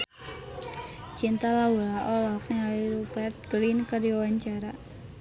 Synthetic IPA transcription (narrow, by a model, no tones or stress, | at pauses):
t͡ʃint̪alawulaʔolafnɛaliɾubɛrt̪̚ɡ̥ɾinkərdiawaɲt͡ʃaɾa